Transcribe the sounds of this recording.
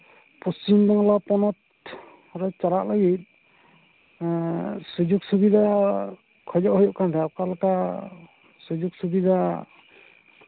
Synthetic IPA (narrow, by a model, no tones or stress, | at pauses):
pust͡ʃimdaŋlapɔnɔt̪̚ | ɾɔt͡ʃaɾaʔlaɡit̪̚ | sud͡ʒuk̚subid̪a | kʰɔd͡ʒɔʔhɔjɔʔkandɛap̚kalaka | sud͡ʒuk̚subid̪a